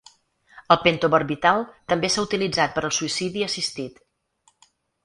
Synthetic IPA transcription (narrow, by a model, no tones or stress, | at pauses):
əlˠpent̪oβəɾβit̪alˠt̪əmbesaut̪ilid͡zat̪̚pəɾəlˠsuisiðiəsist̪it̪